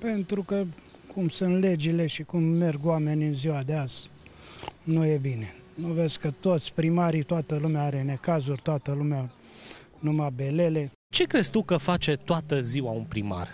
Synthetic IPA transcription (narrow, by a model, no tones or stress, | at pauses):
pe̞nt̪ɾukə | kʰumsunt̪le̞d͡ʒile̞ʃikumːe̞rɡwame̞nʲɨnziwad̪eaz | nujebine̞ | novezkət̪o̞t̪sʲpɾimaɾit̪oat̪əlumeaaɾe̞ne̞kazurʲt̪oat̪əlumea | numabe̞le̞le̞ | t͡ʃe̞kɾe̞st̪ukəfat͡ʃe̞t̪oat̪əziwaunpɾima̰r